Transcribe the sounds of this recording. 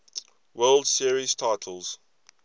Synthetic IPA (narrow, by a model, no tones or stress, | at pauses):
wɜːldsiəɹiz̥tʰaɪtʰəl̩ˠz̥